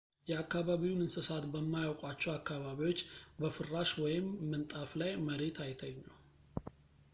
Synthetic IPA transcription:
jɛakːaβaβiwnɨnsɨsat̪bəmːajawkʼwat͡ʃːɛwakːaβaβiwo̞t͡ʃːbəfɨrːaʃwɔjɪmːɨnt̪ʼaflajməɾe̞t̪ʰajt̪ʰəɲːu

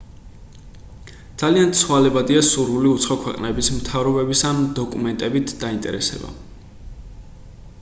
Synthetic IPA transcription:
d̪̥z̥aliant̪sʰwalɛbad̪iasuɾvuliut̪sʰχɔkʰwɛqʼnɛbismt̪ʰavɾɔbɛbisand̪ɔkʼumɛnt̪ʼɛbit̪ʰd̪aint̪ʼɛ̰ɾɛsɛ̰ba̰

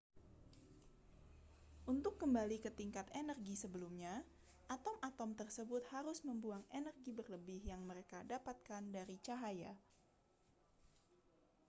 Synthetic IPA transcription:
ʔunt̪ʊkːəmbalikət̪iŋkat̪enərɡisəbəlumɲa | ʔat̪ɔmat̪ɔmt̪ərsəbʊt̪̚haɾʊsməmbuaŋenərɡibərləbɪhjaŋməɾekadapat̪̚kandaɾit͡ʃaɦaja̰

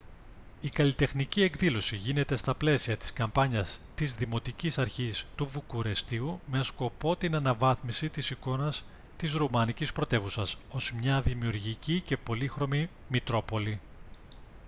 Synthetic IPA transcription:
ikɐlit̪e̞xnicie̞kðilo̞siʝine̞t̪e̞st̪ɐple̞siɐt̪i̥skɐmpɐɲɐst̪izðimo̞t̪icisɐɾçist̪uvukuɾe̞st̪iume̞sko̞po̞t̪inɐnɐvɐθmisit̪isiko̞nɐs | t̪izɾumɐnicispɾo̞t̪e̞vusɐso̞z̥mɲɐðimiuɾʝicice̞po̞lixɾo̞mi | mit̪ɾo̞po̞li

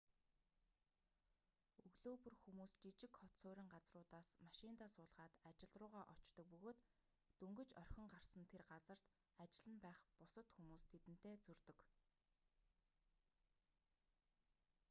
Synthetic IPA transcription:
ɵɣɮoːpɵ̆rxumuːst͡ɕit͡ɕɪ̆kχɔt̪soːɾʲĭːŋɢat͡srʊːt̪aːsmaʃɪnt̪aːsʊːɮʁaːt̪at͡ɕɪ̆ɮt̪rʊːʁaːʔɔt͡ɕt̪ɞ̆k̚pɵɣoːt̪ː | ɵŋɡɵ̆t͡ɕœr̥ʲxʲɪ̆ŋɢar̥sə̆nt̪ʰerɢat͡sə̆r̥t̪ | at͡ɕɪ̆ɮə̆npæːχpʊsə̆t̪xumuːst̪ʰet̪ɘ̆n̥t̪eːt͡sɵrt̪ɵ̆k

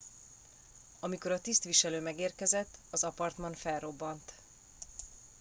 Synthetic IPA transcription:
ɒmiko̞ɾɒt̪ist̪ʋiʃɛløːmɛɡeːrkɛzɛt̪ːɒzɒpɒrt̪mɒnfɛlro̞bːɒnt̪

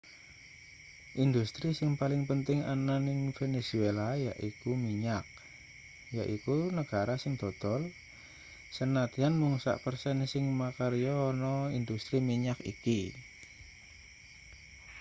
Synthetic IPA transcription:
ʔind̪ust̪ɾisɪŋpalɪŋpənt̪ɪŋa̰nanɪŋfenesuelaja̰ʔikumiɲak̚ | jaʔikunəɡ̥aɾasɪŋd̪̥ɔ̤d̪̥ɔl | sənat̪ianmuŋsa̰ʔpərsɛnsɪŋmakaɾijɔnɔind̪ust̪ɾimiɲakḭki

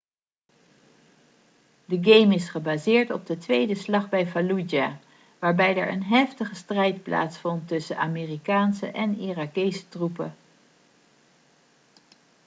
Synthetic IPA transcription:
dəɡejmɪsχəbaːzɪːɹtɔb̚dətʋejdəslɑχbɛjfalud͡ʒaː | ʋaːɹbɛjɛ̰ɹʔə̰nɦɛftəχəstrɛjtpla̰ːtsfɔntːɵsənaːmeːrikaːnsə̰ʔɛnirakejsə̥trupə

